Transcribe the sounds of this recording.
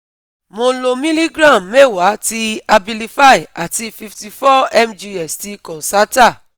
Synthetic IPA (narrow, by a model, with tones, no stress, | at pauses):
mo˧lo˧mĩ˦li˦ɡɾã˦˨mme˦˨wa˨˦ti˧a˧bi˧li˧fa˦i˨a˨ti˧˦fi˧fti˧fɔ˦ɛ˦md͡ʒi˧ɛ˨sti˧kɔ̃˨sa˦ta˦˨